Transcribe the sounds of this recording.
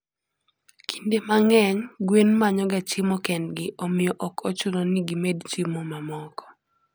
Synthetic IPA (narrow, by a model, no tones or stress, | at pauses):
kʰindemaŋɛɲɡwenmaɲɔɡat͡ʃɪmɔkɛndɡɪʔɔmɪjɔʔɔkʰɔt͡ʃunoniɡimedt͡ʃimɔmamɔkɔ̥